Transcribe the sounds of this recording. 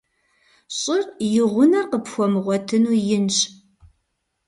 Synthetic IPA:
ɕʼɪrjɪʁʷʊnɐqəpxʷɔmʁʷɔtʰɨnuːjɪnɕ

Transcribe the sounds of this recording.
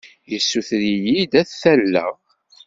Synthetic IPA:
jəsːuθɾijid̪æθθælːæ̰

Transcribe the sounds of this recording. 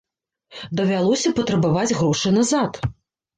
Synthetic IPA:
d̪ɐvʲalˠɔsʲɐpɐt̪ɾɐbavad͡zʲɣɾɔʂɨjnazat̪

